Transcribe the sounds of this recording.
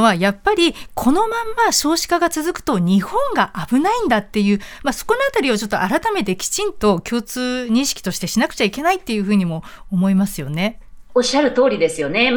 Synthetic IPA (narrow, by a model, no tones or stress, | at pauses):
βajapːaɾʲikʰo̞no̞mãmːaɕo̞ːɕi̥kaɡat͡sɨzɨkɯ̟̥t̪o̞ɲ̟ihõ̞ŋɡaʔabɯ̟naĩnd̪at̪ːe̞jɯ̟ːmaso̞̥ko̞no̞at̪aɾʲio̞t͡ɕo̞t̪ːoʔaɾat̪ame̞t̪e̞kʲi̥t͡ɕĩnt̪o̞kʲo̞ːt͡sɨːɲ̟ĩɕi̥kʲi̥t̪o̞ɕi̥t̪e̞ɕinakɯ̟̥t͡ɕaike̞nait̪ːe̞jɯ̟ːɸɯ̟ːɲ̟imo̞ː | mo̞imasɨjo̞ne̞oɕːaɾɯ̟t̪o̞ːɾʲid̪e̞sɨjo̞ne̞